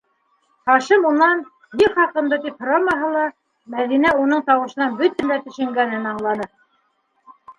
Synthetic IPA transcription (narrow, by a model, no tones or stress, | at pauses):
χɑʃɤmunɑn | jɘχɑqɤ̆nd̪ɤt̪iphŏɾɑmɑɦɤlˠɑ | mæðinæunɤɴt̪ɑwɤ̆ʃɤ̆nɑnbɵt̪ænd̪æt̪ɵ̆ʃɘ̆ŋɡænɘnɑɴlˠɑnɤ